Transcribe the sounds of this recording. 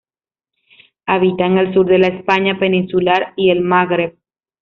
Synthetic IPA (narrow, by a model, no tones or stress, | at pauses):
aβit̪aŋelsuɾðe̞laespaɲapenĩnsulaɾielmaɣɾeβ̚